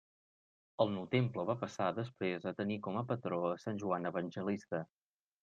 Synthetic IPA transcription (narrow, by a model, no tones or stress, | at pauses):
əlˠnuwt̪empləβapəsaðəspɾezət̪ənikɔməpət̪ɾoəsanʲʒuanəβənʲʒəlist̪ə